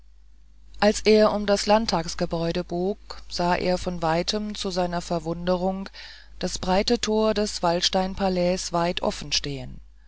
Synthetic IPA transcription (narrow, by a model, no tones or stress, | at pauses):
ʔalsʔeːɐʔʊmdaslantʰaːksɡ̥əbɔʏɾəboːkz̥aːʔḛːɐfɔnvaɪtʰəmt͡suzaɪnɐfɛɐvʊndəʁ̞ʊŋ | d̥asb̥ʁaɪtətʰoːɐdɛsv̥alʃtaɪnpʰalɛːsv̥aɪtʰʔɔ̰fn̩ʃteːən